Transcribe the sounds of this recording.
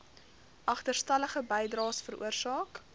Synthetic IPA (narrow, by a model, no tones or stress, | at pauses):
ʔɐχtərstɐləχəbɛjdrɑːsfəɾṵərsɑːk